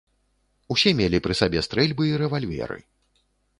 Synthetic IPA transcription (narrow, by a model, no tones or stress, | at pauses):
usʲɛmʲelʲipɾɨsabʲɛst̪ɾɛlʲbɨiɾɛvalʲvʲɛ̰ɾɨ̰